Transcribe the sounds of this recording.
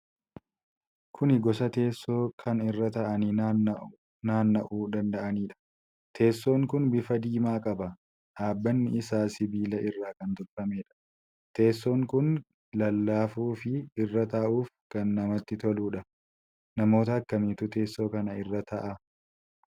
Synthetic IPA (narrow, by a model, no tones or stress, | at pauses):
kʰʊnɪɡɔsɐt̪e̞ːsːo̞ːkʰɐnɪrːɐt̪ɐʔɐniː | naːnːɐʔuːd̪ɐnd̪ɐʔɐniːᶑɐ̥ | t̪ʰe̞ːsːo̞ːŋkʊnbɪfɐd̪iːmaːkʼɐbɐ | ʔaːbːɐnːɪɪsaːsɪbiːlɐʔɪrːaːkɐnt̪ɔɾt̪ɐme̞ːᶑɐ̥ | t̪e̞ːsːo̞ːŋkʊn | lɐlːaːfuːfɪɪrːɐt̪aʔuːfkɐnːɐmɐt̪ːɪt̪ɔluːᶑɐ | nɐmo̞ːt̪ɐːkːɐmiːt̪ʊt̪e̞ːsːo̞ːkɐnɐɪrːɐt̪ʰɐʔɐ